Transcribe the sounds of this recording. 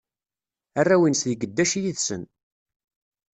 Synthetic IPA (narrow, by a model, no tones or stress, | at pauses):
ærːæwinsðəɡəd̪ːæʃijiðsə̰n